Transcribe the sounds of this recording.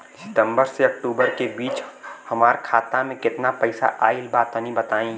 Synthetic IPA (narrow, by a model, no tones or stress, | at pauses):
sɪ̥t̪ə̃mbəɾseɐk̚ʈuːbəɾkebiːt͡ʃhəmaːɾkʰaːt̪amẽkɪt̪napəɪsa̰ʔaːilbaːt̪ənĩbət̪aːĩ